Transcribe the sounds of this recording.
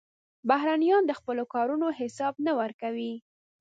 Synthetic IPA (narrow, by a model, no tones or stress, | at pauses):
bahɾanijɑnd̪əxpəlokɑɾunoɦɪsɑb̚nawəɾkawi